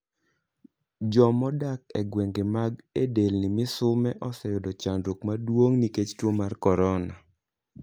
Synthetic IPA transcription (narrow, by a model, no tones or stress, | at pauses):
d͡ʒɔmɔdak̚ɛɡweŋɡemaɡedelnɪmɪsʊmɛʔɔsɛjʊdɔt͡ʃandɾukmadwoŋniket͡ʃtwomarkɔɾɔna